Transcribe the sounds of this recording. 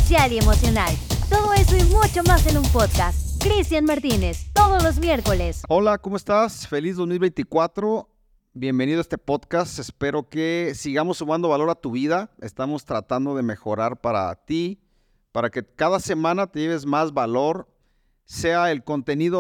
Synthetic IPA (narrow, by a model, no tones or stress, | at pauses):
sjalie̞mo̞sjo̞nalt̪o̞ð̞o̞e̞soimut͡ʃomasenumpoðkast̪kɾist̪janmaɾt̪ine̞st̪o̞ðozlo̞zmje̞ɾko̞le̞solako̞moe̞st̪asfe̞lizðozmilβejnt̪ikwat̪ɾo̞ | bje̞mbe̞niðoest̪e̞po̞ðkast̪espe̞ɾo̞ke̞siɣamo̞sːuβand̪o̞βalo̞ɾat̪uβiðae̞st̪amo̞st̪ɾat̪and̪o̞ðe̞me̞xo̞̰ɾaɾpaɾa̰t̪i | paɾake̞kaðase̞mãnat̪e̞ʝeβezmazβalo̞ɾ | se̞ae̞lko̞nt̪e̞niðo